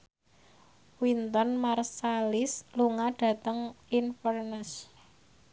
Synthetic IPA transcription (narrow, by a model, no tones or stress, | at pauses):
wint̪ɔnmarsalɪsluŋaɖ̥ä̤t̪əŋinfɔrnəs